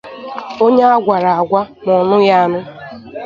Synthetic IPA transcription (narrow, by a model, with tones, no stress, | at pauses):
o˦ɲe˦a˦ɡʷa˨ɾa˨a˨ɡʷa˦ | mɔ˨nʊ˦ja˦a˦nʊ˦